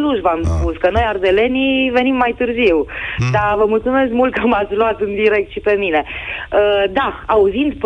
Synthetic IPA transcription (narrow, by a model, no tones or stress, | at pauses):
luʒvamspuskəno̞jard̪e̞le̞nive̞nimːajt̪ɨrziwd̪avəmult̪sume̞skmult̪̚kəmat̪sʲluat̪ɨnd̪iɾe̞k̚t̪ʃipe̞mine̞əd̪aauzind̪p